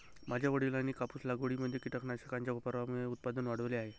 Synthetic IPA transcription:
mad͡ʑʱjaʋəɽilanːiːkapuːslaɡoɽiməd̪ʱːjekiʈəkʰɳaɕəkãɲt͡ɕjaupəɾʋamueut̪̚pad̪ənʋaɽ̤əʋleaɦe

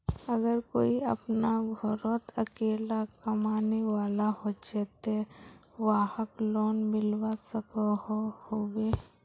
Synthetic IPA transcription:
əɡəɾkoːiɐ̰pnaɡʱɔɾot̪əkeːlakəmaːneʋaːlaɦod͡ʒeːt̪e | ʋaːhəkloːnmɪlwasəkahohowe

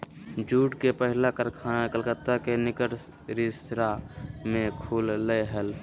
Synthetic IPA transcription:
d͡ʒuːʈkepəɦɪlakəlkəlkət̪ːakenɪkəʈ | ɾɪsɾamẽkʰuːlːəɦəl

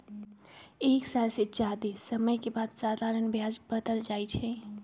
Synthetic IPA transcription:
eːksalset͡ʃad̪isəməjkebad̪saːd̪ʱaɾənbʱjad͡ʒbəd̪əld͡ʒaːjt͡ʃʰɛ

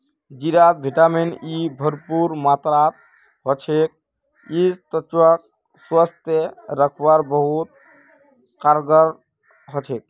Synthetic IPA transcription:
d͡ʒiɾat̪̚bʱiʈaminibʱəɾpuɾmat̪ɾat̪ | ɦɔt͡ʃʰek̚ | ist̪ət͡ʃwak̚ | swast̪jeɾəkʰbaɾbəɦut̪̚ | kaɾɡəɾ | ɦɔt͡ʃʰek̚

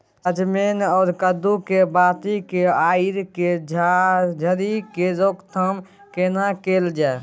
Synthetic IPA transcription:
əd͡ʒmenɔːɾkəd̪ukebaːt̪ikeaːiɾked͡ʒʱd͡ʒʱəɾikeɾokt̪ʰəm | kenakeːld͡ʒae

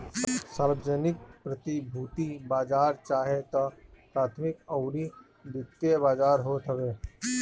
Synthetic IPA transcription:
ssaːɾbəd͡ʒənɪk̚pɾət̪ibʱuːt̪ibaːd͡ʒaːɾt͡ʃaːɦet̪ɔpɾaːt̪ʰmɪkəʊɾi | d̪ɪt̪ːjebaːd͡ʒaːɾɦoːt̪ɦəʋeː

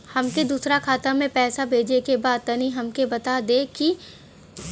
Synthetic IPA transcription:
hɐmked̪uːsɾakʰaːt̪amẽpɛːsabʱeːd͡ʒekebaːd̪̚t̪ɐniɦɐmkebɐt̪ad̪eki

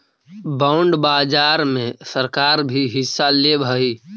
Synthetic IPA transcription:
baʊɳɖbaːd͡ʒaːɾmẽsəɾkaːɾbʱiɦɪsːalebʱəi

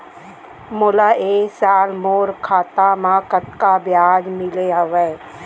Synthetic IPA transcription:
mʊlaʔeːsaːlmoːɾkʰaːt̪amãkət̪kabjaːd͡ʒmɪleɦɐʋeː

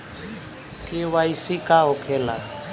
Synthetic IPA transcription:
kewaisikaokʰela̰

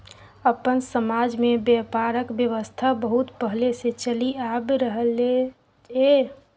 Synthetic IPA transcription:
əpənsəmad͡ʒmebjepaɾəkbjəʋəst̪ʰabəɦut̪pəɦleset͡ʃəliabɾəɦəle | e

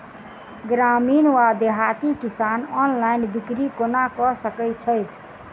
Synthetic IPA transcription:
ɡɾaminwad̪eɦat̪ikisanɔnlaɪnbikɾikonakɔsəkɛt͡ʃʰəjt̪ʰ

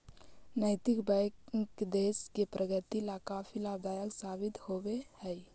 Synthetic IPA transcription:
nəɪt̪ɪkbɛ̃kkd̪eːskepɾʔəɡət̪ilakaːfʰilaːbd̪aːjəksaːbɪt̪howehɛj

